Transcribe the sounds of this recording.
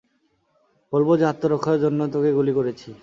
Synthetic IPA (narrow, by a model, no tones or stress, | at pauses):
bolbod͡ʑɦat̪ːoɾokʰːaeɾd͡ʑonːot̪okeɡulikoɾet͡ɕʰi